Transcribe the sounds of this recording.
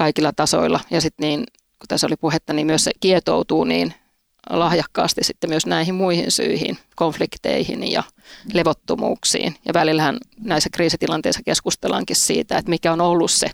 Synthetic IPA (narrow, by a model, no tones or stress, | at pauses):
kɑikilːɑt̪ɑso̰ilːˑɑjɑsit̪niːn | ku̥t̪æsolipuhet̪ːɑniːmyøssekiet̪o̰ut̪uːnḭːn | lɑhjɑkːɑ̰ːst̪issit̪ːemyøsnæihimmuihḭnsy̰ihḭnkoɱflikt̪ḛihḭnjɑ̰ | leʋot̪ːomṵːksḭːnjɑ̰ʋælilhænnæisːækriːsit̪ilɑnt̪eisːɑ̥keskust̪elɑ̰ŋkissḭːt̪æet̪mikæonolːusse